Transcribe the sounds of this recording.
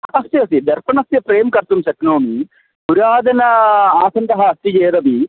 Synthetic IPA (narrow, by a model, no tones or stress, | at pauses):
ɐst̪jiɐsid̪ɐɾpɐnɐsjɐpɾeːmkɐɾt̪umʃɐknoːmi | buɾaːd̪ɐnɐaːsɐnʈ̪ɐɦɐɐst̪id͡ʒeːɾɐbi